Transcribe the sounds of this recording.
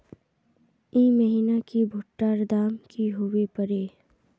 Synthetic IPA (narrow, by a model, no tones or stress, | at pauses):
iːməɦiːnakibʱʊʈːaːɾd̪aːmkiɦowepəɾeː